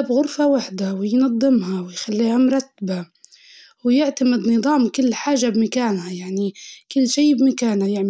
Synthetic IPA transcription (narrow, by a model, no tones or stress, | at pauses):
bɣʊɾfawaħd̪awɪjnɑd̪ˤːɨmhawɪjxalːiːhamʊɾˤɑt̪ːaba | wɪjɪʕt̪amɪd̪nɨðˤɑːmkʊlːħaːʒːabmakaːnhajaʕnikʊlːʃiːbmakaːnhajaʕ